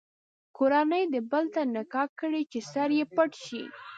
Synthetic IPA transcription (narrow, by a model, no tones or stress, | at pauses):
koɾanəjd̪əbəlt̪anakɑkəɽit͡ʃesaɾjepəʈʃḭ